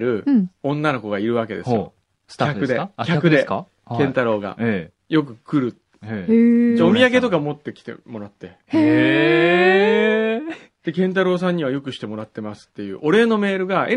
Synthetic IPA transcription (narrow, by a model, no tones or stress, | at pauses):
ɾɯ̟õ̞nːano̞ko̞ɡaiɾɯ̟β̞ake̞d̪e̞sɨjo̰ | skʲakɯ̟d̪ekʲakɯd̪e̞ | kẽnt̪aɾo̞ːɡa̰ | jo̞k̬ɯ̟kɯ̟ɾɯ̟ | d͡ʑaomʲijaɡe̞t̪o̞kamo̞t̪ːe̞kʲi̥t̪e̞̰mo̞ɾat̪ːe̞ | e | d̪̥e̞kẽ̞nt̪̬aɾo̞ːs̬ãɲ̟ːiβ̞ajo̞kɯ̟ɕi̥t̪e̞mo̞ɾat̪ːe̞masɨ̥t̪ːe̞jɯ̟̰ːʔo̞ɾe̞ːno̞me̞ːɾɯ̟ɡae